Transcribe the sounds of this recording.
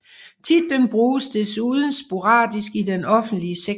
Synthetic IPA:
t͡sʰid̥enb̥ʁuːsd̥e̝suːð̞ˠn̩sb̥o̝ʁɑ̰̈ːd̥isɡ̥idenɒ̽fn̩d̥liəse

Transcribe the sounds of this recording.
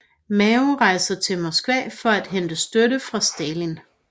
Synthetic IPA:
mɛoʁɑ̈ɪsɐt͡sʰe̝lmɒsɡ̥ʋɛ̰ːfɒ̽æd̥ɦend̥əsd̥øɾəfʁɑ̈sd̥ɛːlin

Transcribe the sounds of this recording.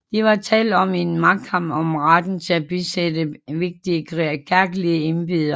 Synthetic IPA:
d̥iʋɑ̈t͡sʰɛ̰ːld̥ɒ̽menmɑ̈ɡ̥̚kʰɑm̰ɒ̽mʁad̥n̩t͡sʰe̝læb̥isedəʋe̝ɡ̥̚d̥iəkʁkʰæɐɡ̥əliəe̝nb̥ið̰ˠɐ

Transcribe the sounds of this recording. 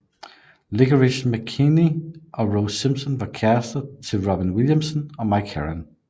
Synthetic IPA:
lɪɡəɹɪʃməkʰiniʔəɹoʊ̥sɪ̃mpsə̃nwəkʰæstəd̚tʰəɹɑbɪ̃nwɪlˠjə̃msə̃nəmaɪkʰɛ̰ɹə̰̃n

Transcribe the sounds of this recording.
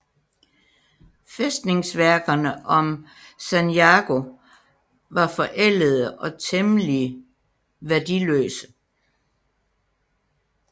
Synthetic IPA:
fesd̥ne̝ŋsʋæɐɡ̥ɐnəʔɒ̽m | sænjɑɡ̥o̝ | ʋɑ̈fɒ̽ʔel̰əð̞̩ˠəʔɒ̽t͡sʰeməliə | ʋæɐd̥ilø̰ːsə̥

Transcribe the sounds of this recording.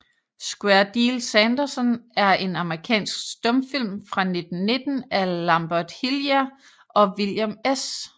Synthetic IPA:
sɡ̥wæɐd̥ilsænd̥ɐsənæɐʔe̝nɑ̈məʁikʰɛ̰ːnsɡ̥sd̥ɔ̽mfil̰mfʁɑ̈ne̝d̥n̩ne̝d̥n̩ælɑ̈mb̥æd̥hiljæ | ʔɒ̽ʋiljomes

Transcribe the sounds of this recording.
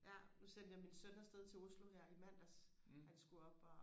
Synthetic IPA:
jænusen̰d̥əjaminsønɐsd̥eð̞ˠt͡sʰe̝o̝sloɦæɐ̰imæn̰d̥æs | hænsɡ̥uɒ̽b̥ɒ

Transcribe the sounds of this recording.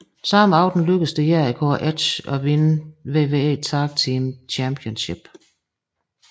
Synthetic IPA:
sɑmɑ̈ʊd̥n̩løɡ̥əsd̥əjæɐikʰo̰ːʔæ̥ɕɒ̽ʋe̝nəʋe̝ːʋe̝ːḛːt͡sʰɑ̈ːɡ̥̚t͡sʰiːmt͡ɕʰæmpʰjonɕeb̥

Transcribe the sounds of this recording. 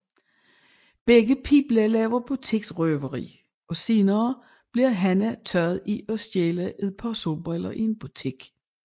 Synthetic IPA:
b̥eɡ̥əpʰḭːb̥lælɛːʊɐb̥ut͡sʰiɡ̥sʁœʋɐʁḭː | ɒ̽se̝ːnɐː | b̥liɐɦænæt͡sʰɶɐð̩ˠiɒ̽sd̥eːlæʔeðˠpʰɑso̝b̥ɛlɐʔie̝nb̥ut͡sʰiɡ̥

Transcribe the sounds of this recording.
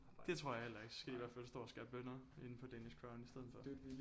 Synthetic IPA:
d̥e̝t͡sʰʁo̝ɐ̰jhel̰ɐe̝ɡ̥ssɡ̥eiʋæɐ̥fælsd̥ɒ̰ːɒsɡ̥æb̥bøn̰ɐe̝n̩pʰɒ̽d̥æniskʰʁɑ̈ʊnisd̥eð̩ˠfɒ̽

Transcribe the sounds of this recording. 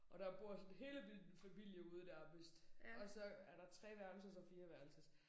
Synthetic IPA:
ʔɒ̽ɾ̥ɑ̈b̥o̝ɐ̰sɒ̽nɦe̝ːləd̥enfæmil̰jəuːð̞ˠd̥æɐb̥isd̥ɒ̽sɒ̽æɐɾɑ̈t͡sʰʁɛ̰ːʋæɐd̥l̩sɐsɒ̽fiːɐʋæɐl̩səs

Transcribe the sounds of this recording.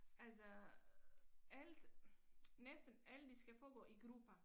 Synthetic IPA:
ʔælsɒ | æld̥ | nesd̥n̩æl̰d̥isɡ̥æfɒːɡ̥ɔ̰̽ːiɡ̥ʁuːb̥ɐ

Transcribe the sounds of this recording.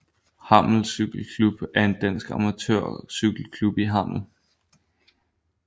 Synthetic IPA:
hɑ̈m̰l̩syɡ̥l̩kʰlub̥æɐe̝nd̥æn̰sɡ̥ɑ̰mæt͡sʰø̰ɐ̰syɡ̥l̩kʰlub̥iɦɑ̈m̰l̩

